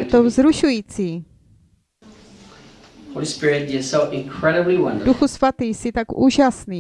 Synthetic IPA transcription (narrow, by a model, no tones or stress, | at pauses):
t̪owzɾuʃujiːt͡siː | hoʊlispɪɹɪt̚dɪsoʊʔɪ̃nkʰɹ̥ɛɾəbliwʌ̰̃ndduxusvat̪iːsɪt̪akʔuːʒasniː